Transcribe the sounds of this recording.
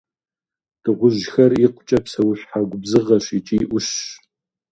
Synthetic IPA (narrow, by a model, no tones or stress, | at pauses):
d̥ɨʁʷʊʒxɐriqʷʊt͡ʃʼɐpsɐwʊɕħaɡʷʊbzɨʁɐɕit͡ʃʼiːʔʷʊɕ